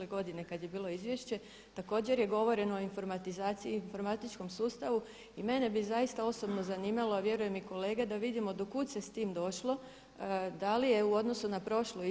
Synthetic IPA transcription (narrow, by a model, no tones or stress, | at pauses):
leɡo̞d̪ine̞kad̪je̞biːlˠo̞izʋjeʃt͡ɕe̞ | t̪ako̞ːd͡ʑe̞ɾje̞ɡo̞ʋo̞ɾe̞noːinfo̞ɾmat̪izaːt̪siinfo̞ɾmat̪it͡ʃko̞msuːst̪aʋu | ime̞ne̞bizajist̪ao̞so̞bno̞zaniːmaloaʋje̞ɾuje̞miko̞le̞ːɡed̪aʋid̪imo̞d̪okuːt̪se̞st̪iːmd̪o̞ʃlo̞ | d̪alije̞uo̞d̪no̞sunapɾo̞ʃlo